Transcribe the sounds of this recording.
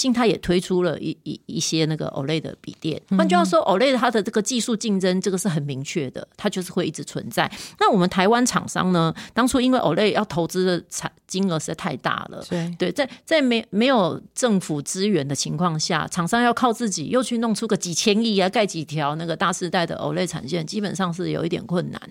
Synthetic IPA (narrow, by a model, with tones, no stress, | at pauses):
ɕi˥˧ŋt̪ʰa˥jɛ˨˩t̪ʰwe˥ɪʈ͡ʂʰu˥lə̰˨i˧i˧i˥˩ɕjɛ˥na˥˩ɡə̰˩ʔo̰˨˩ʊle˥˩ɪd̪ə̰˩pḭ˨˩t̪jɛ̰˥˩na˥˧t͡ɕjo˥˧jɑ˥˩ʊʂwɔ˥ʔo˨˩ʊle˥˩ɪ˩t̪ʰa˥d̪ə˨ʈ͡ʂɤ˥˩ɡə˩t͡ɕi˥˧su˥˧t͡ɕi˥˩ŋʈ͡ʂə˥nʈ͡ʂə˥˩ɡə˨˩ʂ̩˥˩xə˨˩nmi˧˥ŋt͡ɕʰɥɛ˥˩d̪ə̰˩t̪ʰa˥t͡ɕjo˥˧ʊʂɻ̩˥˧xwe˥˧ɪi˥˩ʈ͡ʂ̩˧˥t͡sʰwə̰˧˦nt͡sa˥˩ɪna˥˩wɔ˨˩mə˨˦nt̪ʰa˧˥ɪwa˦nʈ͡ʂʰɑ̰˨˩ŋʂɑ̰˥ŋnə˧t̪ɑ˥ŋʈ͡ʂʰu˥i˥nwe˥˩ɪʔo˨˩le˥˧ɪjɑ˥˩ʊt̪ʰo˧˥ʊt͡sɹ̩˥d̪ə˨ʈ͡ʂʰa˨˩t͡ɕi˥nə˧˥ʂ̩˧a˥˧ɪt̪ʰa˥˧ɪt̪a̰˥˩lə̰˩t̪we˥˩ɪt͡sa˥˩ɪt͡sa˥˩ɪme˧˥me˧˥ɪjo˨˩ʊʈ͡ʂə˥˩ŋfu˨˩t͡sɹ̩˥ɥɛ˧˥nd̪ə˨t͡ɕʰi˧˥ŋkʰwɑ˥˧ŋɕja̰˥˩ʈ͡ʂʰɑ˨˩ŋʂɑ˥ŋjɑ˥˧ʊkʰɑ˥˧ʊt͡sɹ̩˥˩t͡ɕḭ˨˩jo˥˧ʊt͡ɕʰy˥˧nʊ˥˩ŋʈ͡ʂʰu˥ɡə˨˩t͡ɕi˨˩t͡ɕʰjɛ˥ni˥˩a˧ka˥˩ɪt͡ɕi˨˩t̪ʰjɑ˧˥ʊna˥˩ɡə˩t̪a˥˧ʂɻ̩˥˧t̪a˥˩ɪd̪ə̰˩ʔo̰˨˩ʊle˥˩ɪʈ͡ʂʰa̰˨˩nɕjɛ˥˩nt͡ɕi˥pə˨˩nʂɑ˥˧ŋʂ̬ɻ̩˥˩jo̰˨ʊi˥˩t̪jɛ̰˨˩nkʰwə˥˩nːa̰˨˦n